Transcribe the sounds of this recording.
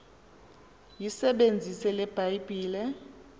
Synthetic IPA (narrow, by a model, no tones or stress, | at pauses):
jisɛɓend͡zʱisɛlɛb̥ʱajb̥ʱiːlɛ